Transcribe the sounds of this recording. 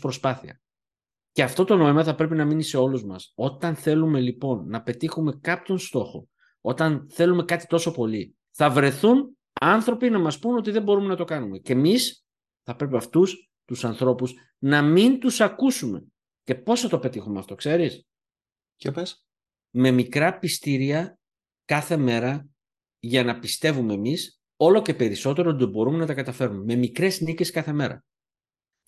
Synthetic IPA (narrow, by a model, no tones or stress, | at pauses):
pɾo̞spɐθiɐ | ceɐft̪o̞t̪o̞no̞imɐθɐpɾe̞pinɐminise̞o̞luzmɐso̞t̪ɐnθe̞lume̞lipo̞nːɐpe̞t̪ixume̞kɐpço̞nst̪o̞xo̞̰ | o̞t̪ɐnθe̞lume̞kɐt̪i̥t̪o̞so̞po̞li | θɐvɾe̞θun | ɐnθɾo̞pinɐmɐspuno̞t̪̬iðe̞mbo̞ɾume̞nɐt̪o̞kɐnume̞ce̞mis | θɐpɾe̞piɐft̪us | t̪usɐnθɾo̞pus | nɐmint̪usɐkusume̞̰ | ce̞po̞sɐt̪ope̞t̪ixumeɐft̪o̞kse̞ɾis | copes | me̞mikɾɐpist̪iɾiɐ | kɐθe̞me̞ɾɐ | ʝɐnɐpist̪e̞vume̞ːmis | o̞lo̞ce̞pe̞ɾiso̞t̪e̞ɾot̪bo̞ɾumenɐt̪ɐkɐt̪ɐfe̞ɾumeme̞mikɾe̞znice̞skɐθe̞me̞ɾɐ̰